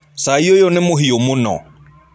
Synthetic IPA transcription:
saiojonɪmʊɦiomʊnɔ̰

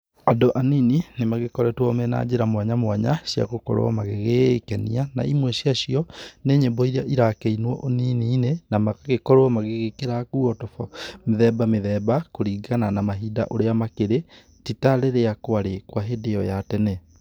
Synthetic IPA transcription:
adoʔanininemaɣekɔɾɛtwɔmɛna̰ːd͡ʑeɾamwaɲamwaɲa̰ɕja̰ɣokɔ̰ɾo̰ɔ̰maɣeɣekɛniana̰imwɛɕiaɕiɔneːɲebɔiɾaʔiɾakeinwɔʔoniniːnenamaɣekɔɾwɔmaɣeɣekeɾakuɔtɔfɔmeðɛbameðɛːbakoɾiɡananamaɦida̰ʔoɾeamakeɾe | titaɾeɾeakwaɾekwaɦedejɔjatɛnɛ

